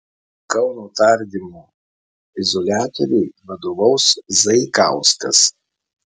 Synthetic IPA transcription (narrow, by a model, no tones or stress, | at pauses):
kɐʊnoːt̪ɐɾʲd̪ʲimuː | ɪzɔlʲæːt̪ɔɾʲɛɪʋɐd̪oːʋɐʊszɐɪkɑ̰ˑʊskɐs